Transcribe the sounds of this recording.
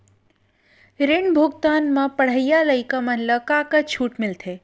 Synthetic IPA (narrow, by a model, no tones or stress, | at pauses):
ɾenbʱoɡt̪anmə̃pəɽ̤əjjaləjkəmənləkakət͡ʃʰuːʈmɪlt̪ʰe